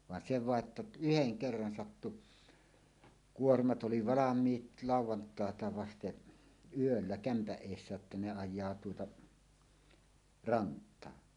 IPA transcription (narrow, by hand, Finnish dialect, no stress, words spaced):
ʋɑn se ʋɑˑe ə̆tːæ yheŋ kerːɑn sɑtːu kuormɑt ʔoli ʋɑlɑmˑiːt lɑˑuwˑɑntɑˑetɑ ʋɑsteʔ yølːæ kæmpæʔ ʔeˑisːæ jotːɑ ne ɑjˑɑː tuotɑ rɑntˑɑː